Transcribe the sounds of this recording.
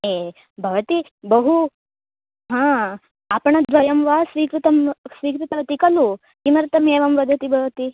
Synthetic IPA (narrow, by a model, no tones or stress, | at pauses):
e | bʱɐʋɐt̪i | bɐɦu | ɦãː | apɳ̃ɐd̪ʋɐjɐmʋasʋiːkɾut̪ɐmsʋiːkɾit̪ɐʋɐt̪ikɐlu | kimɐɾt̪ɐmeːʋɐmʋɐd̪ʱɐt̪ibʱɐʋɐt̪i